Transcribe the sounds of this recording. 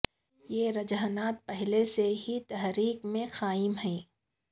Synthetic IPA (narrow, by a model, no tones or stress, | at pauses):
jeːɾɐd͡ʒaːnaːt̪̚pɛɦleseɦit̪ɐɦɾiːkmẽxaːɪmɦɛ̃ː